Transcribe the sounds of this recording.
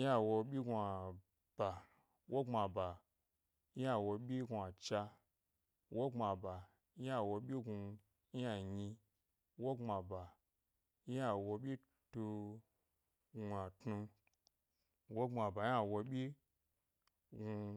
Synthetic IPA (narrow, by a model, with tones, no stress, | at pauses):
a˨wo˧ɓʲi˦ɡʷa˨ | b̥a˨ | wʔo˦ŋ͡ma˨ba˨ | i˦a˦˨wo˧ɓʲi˦ɡu˧˨a˨t͡ʃa˧ | wʔo˦ŋ͡ma˨ba˨˦ | a˦wo˧ɓʲi˦ɡu˧ | i˦a˨ɲi˧ | wo˦ŋ͡ma˨ba˨ | i˦a˦wo˧ɓʲi˦ | tu˧ | ɡʷa˨tnu˧ | wo˦ŋ͡ma˨ba˨˦a˦wo˧ɓʲi˦ | ɡu˧